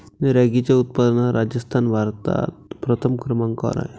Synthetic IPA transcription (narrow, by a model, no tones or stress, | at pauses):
neɾaɡit͡ɕjaut̪̚pad̪naɾʔad͡ʑəst̪ʰanbʱaɾt̪a̰t̪̚pɾət̪ʰəmkɾəmãŋka̰ɾa̰e